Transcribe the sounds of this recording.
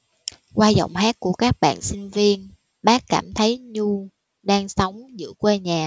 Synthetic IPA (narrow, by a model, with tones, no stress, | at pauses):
kwaː˧zɔ̰˧˨wŋ͡mɦaː˦˥k̚ku˧˩əkaː˦˥k̚ɓa̰ː˧˨nsï˧ŋ̟vi˧ən | ɓaː˦˥kkaː˧˩mt̪ʰə˨˦jɲu˧ | ɗaː˧ŋsə˨˦wŋ͡mzɨ̰˧˥kwe˧ɲaː˨˩